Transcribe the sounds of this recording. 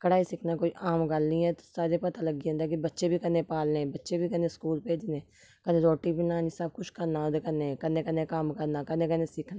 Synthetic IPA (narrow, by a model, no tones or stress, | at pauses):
kəɽaːisɪkʰnaːkoːiʔaːmɡəlnĩːɛːt̪o̥saːɾepət̪aːləɡiõːnd̪aːkibətːʃebʱiːkəneːpaːlnẽːbətːʃeːbʱiːkənẽːskuːlpeːd͡ʒnẽː | kənẽːɾoːʈiːbinaːnisəb̚kʊt͡ʃkəɾnaːod̪ekənẽːkənẽːkənẽːkamkəɾnaːkənẽːkəneːsɪkʰnaː